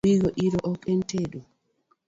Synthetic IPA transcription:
iɡɔʔiɾɔʔɔkɛnteɗu

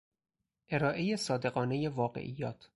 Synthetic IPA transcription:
ʔe̞ɾɒːʔe̞jesɒːd̪e̞ɣɒːnejevɒːɢḛʔiːjɒːt̪ʰ

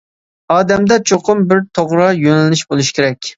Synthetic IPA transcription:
ɑːd̪ɛmd̪ɛt͡ʃʰoqʰʊmbɪɾt̪ʰoʁɾɑjønɛlːyʃbolˠuʃkʲʰeɾɛkʲ

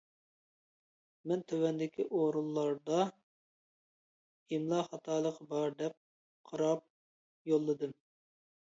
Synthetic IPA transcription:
mɛnt̪ʰøwɛnd̪ɪkʲiʔoɾulˠːɑɾd̪ɑ | imlˠɑχɑt̪ʰɑːlˠəqbɑɾd̪ɛp̚ | qʰɑɾɑp̚ | jolˠːɨd̪ɨm

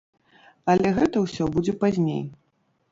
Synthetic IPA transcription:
ɐlʲɛɣɛt̪ɐwsʲɔbud͡zʲɛpazʲnʲḛj

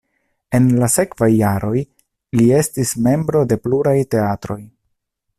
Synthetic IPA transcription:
e̞nlase̞kv̥ajːaɾʔo̞j | lie̞stisme̞mbɾo̞de̞pluɾajte̞atɾo̞j

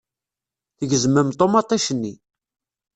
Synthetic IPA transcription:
θəʝəzəmːəmt̪ˤːomɑt̪ˤːɑʃənːi

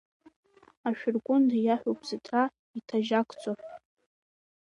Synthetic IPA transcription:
aʃᶣʊrɡʷʼʊndjaħʷᶣopʰʼzɨtʰra | itʰaʒakʷʰt͡sʼo

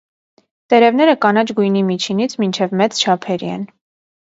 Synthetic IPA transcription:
t̪ɛɾɛvnɛɾəkɑnɑt͡ʃɡujnimit͡ʃʰinit͡sʰmint͡ʃʰɛvmɛt͡st͡ʃʰɑpʰɛɾḭɛ̰n

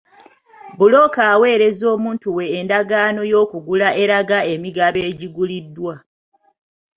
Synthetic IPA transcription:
bulo̞kaːwe̞ːɾe̞zo̞ːmuːntuwe̞ːndaɡaːno̞jo̞ːkuɡulaʔe̞ɾaɡae̞miɡaβe̞ːɟiɡulidːwa

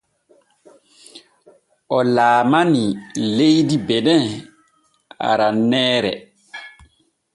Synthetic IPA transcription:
ʔɔlaːmanilejdibɛnɛ | a̰ɾanɛːɾɛ̰

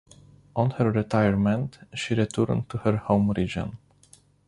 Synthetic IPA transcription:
ʔɔ̃nhəɹɹitʰajəɹmɛ̃ntʃiɹitʰəɹntʰuhəɹhõʊ̃mɹid͡ʒə̰̃n

